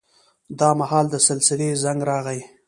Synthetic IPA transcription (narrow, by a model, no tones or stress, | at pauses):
d̪ɑmahɑːld̪əsɪlsɪlezaŋɡɾɑɣaj